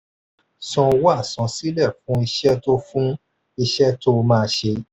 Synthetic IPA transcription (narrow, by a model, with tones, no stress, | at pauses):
sɔ̃˨˧wa˦˨sɔ̃˨˦si˦lɛ˦˨fũ˦i˧ʃɛ˦to˦fũ˦ | i˧ʃɛ˦to˦˧mãː˦˧˦ʃe˧